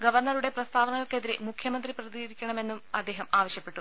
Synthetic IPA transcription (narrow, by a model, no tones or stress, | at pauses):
ɡɐʋɐrnɐɾuɽe̞prɐst̪ʰaːʋɐnɐɣɐɭke̞ðiɾḛmukʰjɐmɐnd̪riprɐðiːɾikʲːɐɳɐme̞nːumɐd̪ːe̞ːɦɐmaːʋɐɕjɐpːe̞ʈːu